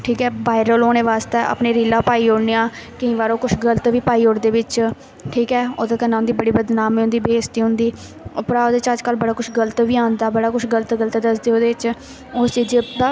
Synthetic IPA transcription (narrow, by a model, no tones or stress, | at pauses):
ʈʰiːkɛːbaːɪɾəloːñeːʋaːst̪eːʔə̰pneːɾiːlãːpaːiːoːɽneːãːkəĩːʋaːɾõːkʊt͡ʃʰɡələt̪ʋiːpaːiːoːɽd̪eːʋɪt͡ʃ | ʈʰiːkɛːoːd̪eːk̪ənːãːʊ̃nd̪iːbəɽiːbəd̪naːmiːʊ̃nd̪iːbeːst̪iːɦʊ̃nd̪iː | pəɾaːoːd̪eːɪt͡ʃəd͡ʒkəlbəɽaːkʊʃʰɡələt̪ʋiːãːnd̪aːbəɽaːkʊt͡ʃʰɡələt̪ɡəlt̪ːd̪əsd̪eːoːd̪eːɪt͡ʃ | ʊst͡ʃiːd͡ʒd̪aː